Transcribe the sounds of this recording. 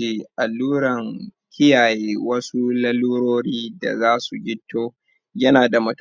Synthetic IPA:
eː˨ʔa˨lːuː˦ɽɐ˨ŋ | kʲʰɪ˦jaː˨jeː˦wɐ˦su˦lɐ˦luː˦ɽoː˦ɽiː˦da̰˨zaː˦su˨ɡʲɪ˦tʰːoː˦ | jɐ˦naː˨da˨mɐ˦t

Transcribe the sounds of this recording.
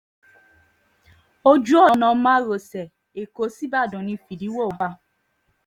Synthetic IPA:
o˧d͡ʒu˦ɔ˦˨˧nã˨˧˦mãː˦ɾo˨sɛ˨ | e˨ko˨˦si˦ba˦˨dũ˨nĩ˧˨fi˨di˨˦wo˦˨ba˧

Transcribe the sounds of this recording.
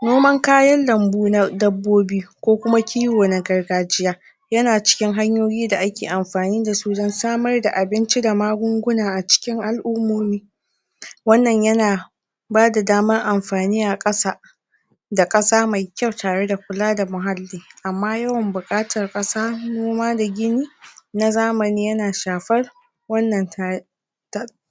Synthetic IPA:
noː˦mɐ˦ŋkaː˦jɐ˦nːɐ˨mbuː˦na˦dɐ˦bːoː˦biː˦kʷoː˦kʷʊ˦ma˦kʲʰiː˦woː˨na˨ɡɐ˨rɡaː˨d͡ʒɪ˦jaː˦ | jɐ˦naː˨t͡ʃɪ̥˦kʲɪ˦ŋɦa˦ɲjoː˦jiː˦da˨ʔa˦kʲeː˨ʔa˨mɸaː˨niː˦da˨suː˦dɔ˦nsaː˦mɐ˦rda˨ʔa˨bɪ˦nt͡ʃi˦da˨maː˦ɡʷʊ˦ŋɡʷʊ˦naː˨ʔa˨t͡ʃɪ̥˦kʲɪ˦ŋʔa˨lʔʊ˦mːoː˨˦miː˦ | wɐ˦nːɐ˨ɲjɐ˦naː˨ | baː˦da˨daː˦mɐ˦rʔa˨mɸaː˨niː˦ʔa˨kʼɐ˦saː˦˨ | da˨kʼɐ˦saː˦ma˨jkʲɐ˦˨wtaː˨ɽe˦da˨kʷʊ˦laː˦da˨mʊ˨ɦa˦lːiː˦ʔa˨mːaː˦jɐ˦wɐ˨mbʊ˨kʼaː˦tʰɐ˨rkʼɐ˦saː˦noː˦maː˦da˨ɡʲɪ˦niː˦na˦zaː˦mɐ˨niː˦jɐ˦naː˨ʃaː˨ɸɐ˦r | wɐ˦nːɐ˨n˨ | t

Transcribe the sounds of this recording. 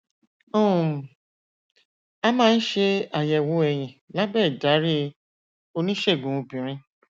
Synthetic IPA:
õ˦˨ | a˧mãː˦˧n̩˦ʃe˧a˨jɛ˨wo˨˦ɛ˧j̃ĩ˨la˦bɛ˦˨da˨˦ɾi˦ | o˧nĩ˦ʃe˦˨ɡũ˨ũ˧bĩ˨ɾ̃ĩ˧

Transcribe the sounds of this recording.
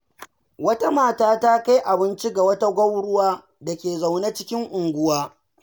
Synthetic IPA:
wɐ˦ta˦maː˦˨taː˦taː˦ka˦jʔa˨bɪ˦nt͡ʃi˦ɡa˨wɐ˦ta˦ɡʷɐ˦wɽʊ˦waː˦ | da˨kʲeː˨za˨wna˦t͡ʃɪ˦kʲɪ˦ŋʔʊ˨ŋɡʷʊ˦waː˦

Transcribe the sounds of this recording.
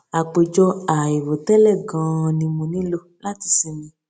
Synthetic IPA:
a˨k͡pe˨d͡ʒɔ˧a˨e˨wo˨tɛ˦lɛ˦˨ɡã˧˦nĩ˧mũ˧nĩ˦lo˦la˦ti˧si˧mĩ˨˧

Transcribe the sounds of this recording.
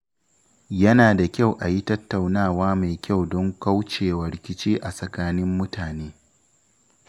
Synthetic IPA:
jɐ˦naː˨da˨kʲa˦˨wʔa˨ji˦tɐ˦tːa˨wnaː˦˨waː˦ma˨jkʲa˦˨wdɔ˦ŋka˦wt͡ʃeː˨wɐ˨ɾɪ˨kʲɪ˦t͡ʃiː˦ʔa˨sʼɐ˨kaː˦nɪ˦mːʊ˦tʰaː˨neː˦

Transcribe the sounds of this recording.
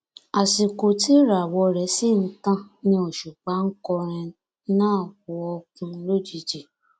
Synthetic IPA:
a˨si˨ko˨ti˦ɾa˨wɔ˧ɾɛ˨˦si˦˨n̩˦tã˧nĩ˧o˨ʃu˨k͡pa˨˦ŋ̩˦kɔ˧ɾ̃ɛ̃˧˦ | nãː˦˨ku˨˧ɔ˧kũ˧˦lo˦d͡ʒi˦˧d͡ʒi˨

